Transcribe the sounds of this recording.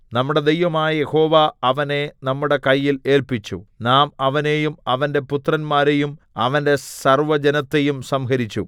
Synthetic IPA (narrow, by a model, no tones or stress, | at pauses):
nɐmːuɽe̞d̪ejʋɐmaːjɐje̞ho̞ːʋaɐʋɐne̞nɐmːuɽe̞kɐjːile̞ːlpit͡ɕːṵnaːmɐʋɐne̞jumɐʋɐnde̞put̪rɐnmaːɾe̞jum | ɐʋɐnde̞sɐrʋɐd͡ʑɐnɐt̪ːe̞jumsɐmɦɐɾit͡ɕːṵ